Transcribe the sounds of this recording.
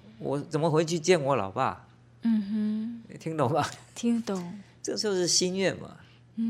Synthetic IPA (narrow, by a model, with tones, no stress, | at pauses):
wɔ̰˨˩t͡sə˨˩nmə˦xwe˧˥ɪt͡ɕʰy˥˧t͡ɕjɛ˥˨nwɔ˧˦lɑ̰˨˩ʊpa̰˥˧˨ | m̩˨˩h̩˥˨t̪ʰi˧˥ŋt̪ʊ˨˩ŋba˨˦t̪ʰi˥ŋt̪ʊ˨˩˦ŋt͡sɤ˥ɡə˩ʂ̩˥˧o˧ʂɻ̩˥˩ɕi˥nɥɛ˥˨nma̰˨˩